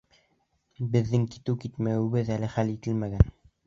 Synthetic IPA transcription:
bɘ̆ðːɘŋki̥t̪ɘwkit̪mæwɘβɘðælɘχælit̪ɘlmæɡæn

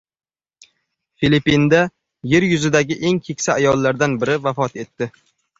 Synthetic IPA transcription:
filipːind̪a | jeɾjʊzɪd̪aɡʲɪʔe̞ŋkʲʰekʲsaːjɒlːaɾd̪anbɪɾɪvafɒt̪e̞t̪ːɪ

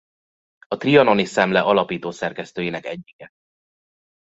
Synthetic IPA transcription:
ɒt̪riɒnonisɛmlɛʔɒlɒpiːt̪oːsɛrkɛst̪øːjiːnɛkɛɟːiɡ̥ɛ

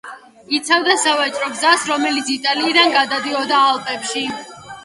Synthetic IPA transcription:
it̪sʰavd̪asavat͡ʃʼɾɔɡzasɾɔmɛlit̪sʰit̪ʼaliːd̪anɡad̪ad̪iɔd̪aːlˠpʼɛpʃi

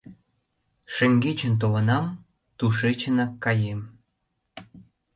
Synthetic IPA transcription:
ʃĕŋɡet͡ɕənt̪̬olənɑm | t̪uʃet͡ɕənɑkːɑjem

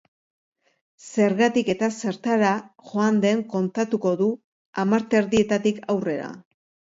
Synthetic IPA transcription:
se̞ɾɣat̪ike̞t̪ase̞ɾt̪aɾaʝo̞and̪e̞ŋko̞nt̪at̪uko̞ðu | amaɾt̪eɾðie̞t̪at̪ikawre̞ɾa̰

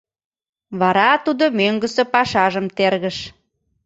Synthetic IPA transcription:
βɑɾɑt̪ud̪omøŋɡəsĕpɑʃɑʒəmt̪erɣəʃ

